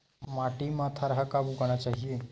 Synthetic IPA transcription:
maʈiːmat̪ʰaɾɦakabuɡaɽ̃at͡ɕaɦie

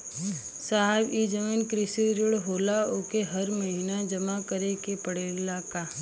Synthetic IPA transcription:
saɦɛbid͡ʒəmiːnkɾɪsiɾɪɽɦoːlaokeɦɐɾməɦinad͡ʒɐmakəɾekepəɽelaːka

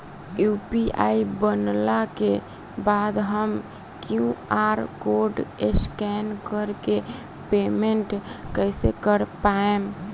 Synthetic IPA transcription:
jupiʔa̰ibənlake | bad̪ɦəm | kjũaɾkoɾɖeskɛnkəɾke | pemeɳʈkəɪsekəɾpae

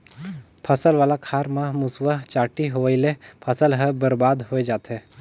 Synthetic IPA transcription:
pʰəsəlʋaːlakʰaːɾmãmʊsʋət͡ʃaːʈiɦoʋəɪlepʰəsəlɦəbəɾbaːd̪ɦoed͡ʒaːt̪eː

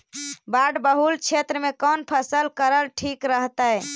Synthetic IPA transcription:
baɖbəɦult͡ʃʰet̪ɾəmekɔnpʰəsəlkəɾəlʈʰikɾəɦt̪ə

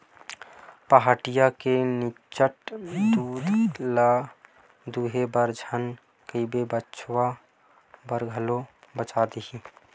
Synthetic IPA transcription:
pəɦaʈijakeni | t͡ʃəʈd̪uːd̪ʱla | d̪uɦebəɾd͡ʒʱən | kəibebəːʃʰwa | bəɾɡʱəlobət͡ʃad̪iɦi

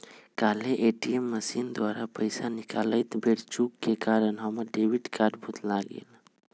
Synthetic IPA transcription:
kaleʔeʈiemːəsind̪waɾapəɪsanikaləjt̪beɽt͡ʃukːekaɾənɦəməɾɖewiʈkaɖbʱut̪laɡḛl

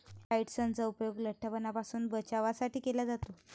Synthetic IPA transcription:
aiʈsənt͡saupjoɡləʈʰːəpənapasuːnbət͡ɕaʋasaʈiːkelad͡zat̪o

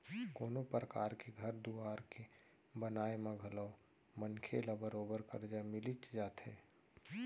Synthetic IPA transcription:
koːnopɾəka̰ːɾkeɡʱəɾd̪uaːɾke | bənaːemãɡʱəlɔː | mənkʰelabəɾoːbəɾkəɾd͡ʒamɪlit͡ʃd͡ʒaːt̪ɦɛ̰ː

